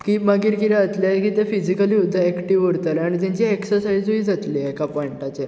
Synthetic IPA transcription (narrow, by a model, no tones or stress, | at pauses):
kimaɡiːɾkiɾɛət̪ljaekiːt̪ɛfid͡ʑikəliud̪ʱːəɛkʈiʋəɽt̪əlaɽ̃it̪̬jãɲt͡ɕieksəɾsaid͡ziːd͡zat̪liekapɔiɳʈat͡ɕe